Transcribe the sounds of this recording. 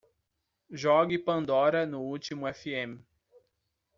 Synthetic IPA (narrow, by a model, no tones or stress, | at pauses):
ʒɔɡɪpɐ̃nd̪ɔɾɐnʊut͡ʃimʊɛfiẽm